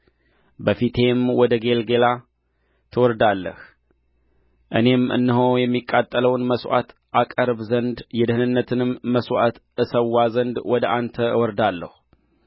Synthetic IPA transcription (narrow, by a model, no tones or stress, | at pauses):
bəfit̪ʰe̞mwɔd̪əɡe̞lɡe̞la | t̪ʰɨwɔɾd̪alːə̰h | ʔɨne̞mɨ̰nːɨɦojɛmːikʼːat̪ʼːələwnməswa̰t̪ | ʔakʼəɾbzənd̪jɛd̪ɨhɨnɨnːət̪ʰɨnɨmːəswa̰t̪ | ɨsəwːazənd̪wɔd̪əʔant̪ʰəɨwɔɾd̪alːə̰hu